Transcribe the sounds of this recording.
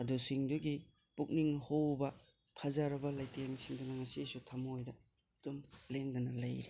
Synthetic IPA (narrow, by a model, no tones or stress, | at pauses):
ɐdusiŋduɡi | puk̚niŋhowbɐ | pʰɐzaɾɐbɐlɐjteŋsiŋdunɐŋɐsisutʰɐmojdɐ | tumleŋdɐnɐlɐjɾi